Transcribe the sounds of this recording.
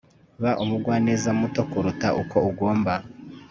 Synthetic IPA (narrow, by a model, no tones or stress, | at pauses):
βaʔumuɡwaːne̞ːzamuto̞kuɾutaʔuko̞uɡo̞ːmba